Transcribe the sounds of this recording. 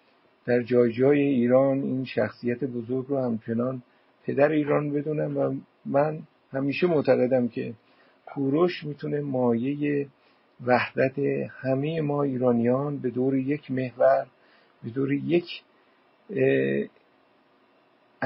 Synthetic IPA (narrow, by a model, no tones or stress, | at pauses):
d̪̥æɾd͡ʒɒːjd͡ʒɒːje̞iːɾɒːnḭːnʃæxsijæt̪ʰe̞bozo̞ɾɡɾohæmt͡ʃʰe̞nɒːn | pʰe̞d̪æɾeiːɾɒːnbe̞d̪uːnæmvæ | mæn | hæmiːʃe̞moʔt̪ʰæɣe̞d̪æmcʰe̞ | kʰuːɾoʃmiːt̪ʰune̞mɒːje̞je | væhd̪æt̪ʰe̞hæme̞jemɒːiːɾɒːnijɒːnbe̞d̪oːɾeje̞kʰme̞hvæɾ | be̞d̪oːɾeje̞kʰ